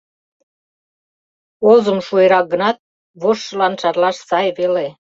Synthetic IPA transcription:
ozə̆mʃueɾɑk̚ɡə̆nɑt̪̚ | βoʃːə̆lɑnʃɑrlɑʃsɑjβele

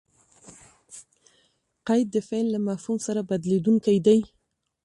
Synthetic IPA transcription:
qajd̪̚ːəfelːamafhumsaɾabad̪led̪uŋkajd̪aj

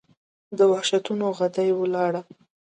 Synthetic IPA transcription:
d̪əwahʃat̪unoɣad̪ajwəlɑɽa

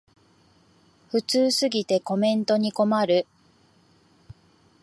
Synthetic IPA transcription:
ɸɯ̟t͡sɨːsɨɡʲit̪e̞ko̞mẽ̞nt̪o̞ɲ̟iko̞maɾɯ̟

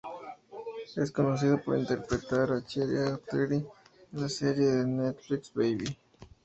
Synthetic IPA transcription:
esko̞nos̬ið̞opoɾint̪eɾpɾet̪aɾat͡ʃeɾjat̪eɾienlaseɾjeðenet̪fliksbejβi

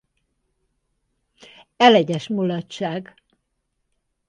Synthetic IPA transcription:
ɛlɛɟɛʃmolɒtt͡ʃːaːɡ

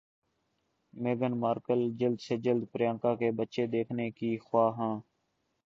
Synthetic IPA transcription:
meːɡənmaːɾkəld͡ʒəld̪seːd͡ʒəld̪pəɾjãːŋkãːkeːbətːʃeːd̪eːkʰneːkiːxwaːɦãː

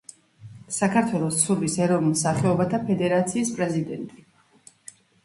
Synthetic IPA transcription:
sakʰaɾt̪ʰwɛlˠɔst̪sʰuɾvisɛɾɔvnilˠsaχɛɔbat̪ʰapʰɛd̪ɛɾat̪sʰiːspʼɾɛzid̪ɛnt̪ʼi

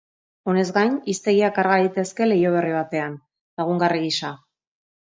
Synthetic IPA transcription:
o̞ne̞zɡajɲist̪e̞ɣiakaɾɣaɾit̪e̞ske̞le̞jo̞β̞e̞riβ̞at̪e̞an | laɣ̞uŋɡariɣisa

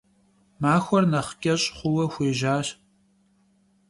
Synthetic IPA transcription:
maːxʷɔrnɐχkʲʼɐɕʼχʷʊwɐxʷeːʒaːɕ

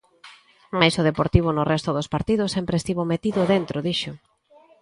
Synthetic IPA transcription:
majsʊðepoɾt̪iβ̞ʊnʊrɛst̪oðospaɾt̪iðʊsːɛmpɾest̪iβomet̪iðʊðent̪ɾoðiʃo

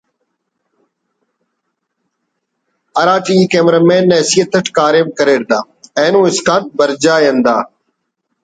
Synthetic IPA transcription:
əɾaːʈiĩːkeːmɾamẽːnɛːsijət̪əʈʰkaːɾeːbkəɾeːɾd̪aː | ɛ̃ːnũːɪskãːt̪̚bəɾd͡ʒaːjə̃nd̪aː

